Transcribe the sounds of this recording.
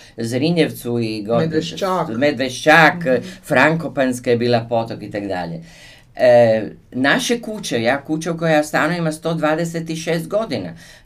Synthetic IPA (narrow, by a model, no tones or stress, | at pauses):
zɾiɲeʋt̪suiɡo | med̪ʋeʃt͡ʃakfɾaŋkopanskajebiːlˠapo̞t̪okit̪aɡd̪a̰ʎḛ | naʃekut͡ɕejaːkut͡ʃaukojast̪aːnoimast̪o̞ːd̪ʋaːd̪eset̪iʃeːst̪ɡo̞d̪ina̰